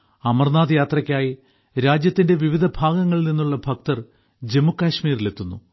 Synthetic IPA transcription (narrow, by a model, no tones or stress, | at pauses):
ɐmɐrnaːd̪ɐjaːt̪rɐkʲːaːji | ɾaːd͡ʑjɐt̪ːinde̞ʋiʋid̪ʱɐbʱaːɡɐŋːɐɭninːuɭːɐbʱɐk̚t̪ɐr | d͡ʑe̞mukːaːɕmiːrile̞t̪ːunːṵ